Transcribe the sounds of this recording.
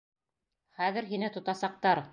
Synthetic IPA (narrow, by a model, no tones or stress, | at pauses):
χæðɘ̆ɾɦinɘt̪ŏt̪ɑsɑq̚t̪ɑɾ